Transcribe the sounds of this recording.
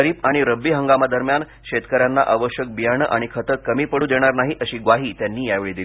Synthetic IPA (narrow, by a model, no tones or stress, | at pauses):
əɾiːpaɽ̃iɾəbːiːɦəŋɡamad̪əɾmjan | ɕet̪kəɾjanːa̰ʔaʋəɕjək̚bijaɳ̃əʔaɽ̃ikʰət̪əkəmiːpəɽuːd̪eɽ̃aɾnaɦiːʔəɕiːɡʋaɦiːt̪janːiːjaʋeɭiːd̪il